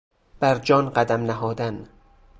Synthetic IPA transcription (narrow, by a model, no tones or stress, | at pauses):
b̥æɾd͡ʒɒːnɢæd̪æmnæɦɒːd̪æn